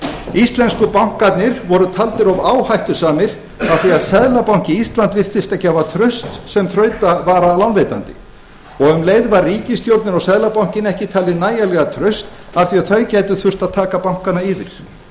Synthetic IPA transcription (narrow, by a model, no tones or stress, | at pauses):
ist̪lɛnskʏpawŋ̥kat̪nɪɾvɔɾʏt̪ʰalt̪ɪɾɔvaːwhajht̪ʏsaːmɪɾ̥ | aθiaðsɛðlapawŋ̥cɪist̪lant̪vɪr̥t̪θɪst̪ɛhcːɪhavat̪ʰɾœɥst̪sɛmθɾœːɥt̪avaːɾalawnvejt̪a̰nt̪ɪ̥̰ | ɔɣʏmleːjðvarriːcɪst̪jowɾt̪nɪɾɔɣsɛðlapawŋ̥cɪnɛhcɪt̪ʰaːlɪnaːjalɛɣat̪ʰɾœɥst̪ | afθiaðθœjcaːjt̪ʏθʏr̥t̪aðt̪ʰaːkapawŋ̥kanaiːvɪɾ̥